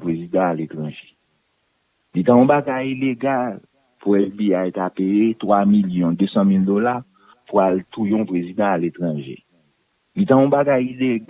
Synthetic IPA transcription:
pɣezid̪ãalet̪ʁɑ̃ʒe | lit̪ãɔ̃baɡajileɡal | puɛfbiajt̪apejet̪wamiljɔ̃d̪øsãmild̪ola | pualt̪ʰujɔ̃pɣezid̪ãalet̪ʁɑ̃ʒḛ | lit̪ãɔ̃baɡajileɡ

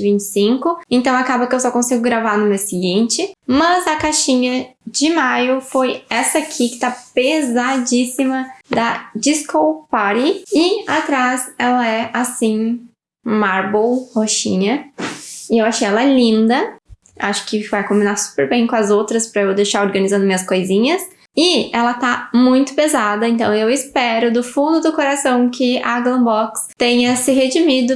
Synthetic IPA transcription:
ɪvĩnt͡ʃɪ̥sĩkʊẽnt̪ɐ̃w̃akabɐkɪewsɔkõsiɡʊɡɾavaɾnʊmesɪɡĩnt͡ʃɪmɐzɐkaʃĩɲɐd͡ʒɪmajʊfojɛsɐakʰikɪ̥t̪apezad͡ʒisimɐd̪ɐd͡ʒiskowpaɾiɪat̪ɾazɛlɐɛʔasĩ | maɾbowhoʃĩɲɐ | ɪewaʃejɛlɐɛlĩnd̪ɐ | a̰ʃʊ̥kɪvajkõmbinaɾsu̥peɾbẽj̃kõɐzowt̪ɾɐspɾɐewd̪ejʃaɾoɾɡɐ̃nizɐ̃ndʊmĩɲɐskojzĩɲɐs | ɪɛlɐt̪amũj̃t̪ʊ̥pezad̪ɐẽnt̪ɐ̃w̃ewɪspɛɾʊd̪ʊfũnd̪ʊd̪ʊkoɾasɐ̃w̃kɪɐa̰ɡlɐ̃bɔkst̪ẽɲɐsɪɦed͡ʒimid̪ʊ

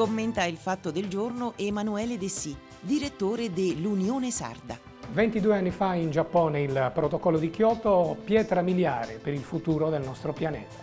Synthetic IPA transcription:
komːent̪ailfat̪ːod̪eld͡ʒornoʔemanuɛːled̪esi | d̪iɾet̪ːoːɾed̪elːunjoːnesa̰rd̪a̰ | vent̪id̪ueanːifaind͡ʒapːɔːneilpɾot̪okɔlːod̪ikjɔt̪opjɛːt̪ɾamiljaːɾepeɾilfut̪uːɾod̪elnɔst̪ɾopjanɛ̰ːt̪ḁ

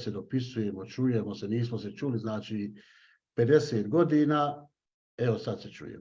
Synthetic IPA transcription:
sed̪opisujemot͡ʃuje̞moseniːs̬mose̞t͡ʃuːliznaːt͡ʃiː | pe̞d̪e̞seːt̪ɡo̞d̪iːnaː | e̞osad̪set͡ʃṵːjḛm

